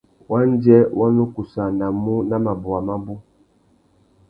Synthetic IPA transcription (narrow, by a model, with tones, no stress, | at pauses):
wa˦n˦d͡ʒɛ˦wʔa˦nu˦ku˨sa˨na˨mu˦na˦ma˨bu˨a˨ma˦bu˦